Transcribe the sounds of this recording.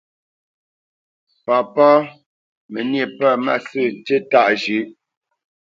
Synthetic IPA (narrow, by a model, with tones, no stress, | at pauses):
pa˨pɔ˦ | mə˨nje˨pə˦˨ma̰˦˨sɨ˦˨te˦ta˦˨ʔʒʉ˨˦ʔ